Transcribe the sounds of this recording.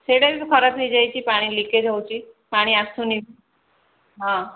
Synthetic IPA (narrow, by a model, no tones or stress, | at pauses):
seɽaɾit̪ukʰɔɾat̪ejd͡ʒajt͡ʃʰipaɽ̃iliked͡ʒʱawt͡ʃʰi | paɽ̃iasuni | ɦã